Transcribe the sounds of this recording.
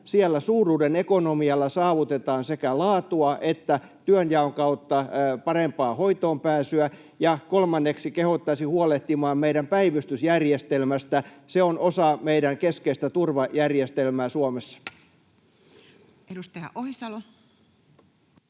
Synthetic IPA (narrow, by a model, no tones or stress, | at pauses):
siɛlːæsuːruːdenekonomiɑlːɑsɑːʋut̪et̪ɑːnsekælɑːt̪uɑʔet̪ːæ | t̪yønjɑoŋkɑut̪ːɑpɑrempɑːhoit̪oːmpæːsyæ | jɑkolmɑnːeksikehot̪ːɑsihuoleht̪imɑːmmeiɾæmpæiʋyst̪ysjærjest̪elmæst̪æseonosɑmeiɾæŋkeskeist̪æt̪urʋɑjærjest̪elmæːsuomesːɑ̥ | eust̪ɑjɑ̰ʔohisɑlo